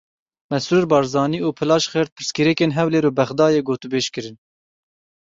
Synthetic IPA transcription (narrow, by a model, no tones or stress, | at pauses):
mɛsuːɾbɑːɾzɑːniːuːpʰɨlɑːʃχɛɾt̪̚pʰɨɾskɨɾɛkeːnɦɛwleːɾuːbɛχd̪ɑːjeːɡoːt̪ubeːʃkɨɾɨn